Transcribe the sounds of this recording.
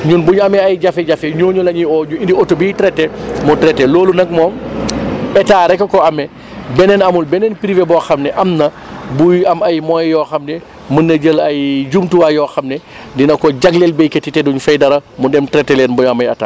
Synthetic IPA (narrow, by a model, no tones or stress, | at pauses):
ɲunbuɲɐmɛɐjɟafɛɟɐfɛɲɔːɲulɐɲiɔɲuindiɔtubiːtɾɛtːɛmɔtɾɛtːɛloːlunɐk̚mɔm | ɓɛtaːɾɛkːɐkɔɐmɛ | bɛnɛnɐmulbɛnɛnpɾivɛbɔxɐmnɛʔɐmnɐ | bujɐmɐjmɔjːɔːxɐmnɛ | mənːɐd͡ʒəlɐjd͡ʒumtuwajɔːxɐmnɛ | dinɐkɔɟaɡlɛlbɛjkɛtːitɛduɲfɛjdɐɾɐmɔdɛmtɾɛtːɛlɛːnbuɲɐmɐjɐta̰ː